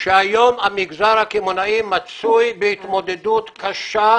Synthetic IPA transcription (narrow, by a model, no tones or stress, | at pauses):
ʃajɔmamiɡzaɾakimonaimat͡sujbit̪mɔd̪ed̪ut̪kʰaʃa